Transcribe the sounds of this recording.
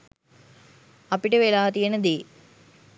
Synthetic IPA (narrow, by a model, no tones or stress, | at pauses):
ɐpiʈəʋelaːt̪ijenəd̪eː